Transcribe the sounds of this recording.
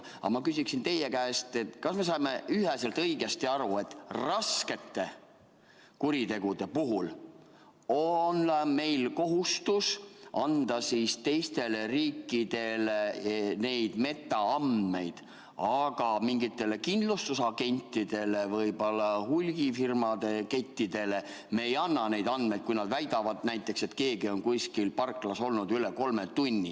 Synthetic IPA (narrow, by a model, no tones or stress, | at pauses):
ɑ̰mɑkysiksint̪e̞jekæest̪e̞t̪kɑsme̞sɑjme̞yɦeselt̪ɤjɡ̥e̞st̪iɑɾue̞t̪ːˑrɑske̞t̪ːe̞ | kuɾit̪e̞ɡ̥ud̪e̞puɦul | onme̞jlko̞ɦust̪usɑnd̪̥ɑsiːst̪e̞jst̪e̞leriːkˑːid̪̥e̞lene̞jd̪̥me̞t̪ːˑɑɑnd̪̥me̞jd̪̥ | ɑɡ̥ɑmiŋɡit̪ːˑe̞le̞kind̪lust̪usɑɡe̞nʲt̪ːˑid̪̥e̞le̞vɤjbo̞lːɑhulʲɡ̥ifirmɑd̪̥e̞ket̪ʲːid̪̥e̞le̞ | meejɑnːɑne̞jd̪̥ɑnd̪̥me̞jd̪̥̚kujnɑd̪væjd̪ɑvɑd̪̥næjt̪ːˑe̞kse̞t̪ːke̞ːɡio̞nkuskilpɑrkːˑlɑso̞lnud̪yle̞ko̞lmet̪unʲːḭ